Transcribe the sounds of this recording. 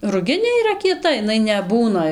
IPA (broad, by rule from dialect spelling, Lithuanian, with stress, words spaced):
rʊˈɡʲɪnʲeː iːˈrɐ kʲiɛˈtɐ ɪˈnɐɪ nʲɛˈbuːnɐ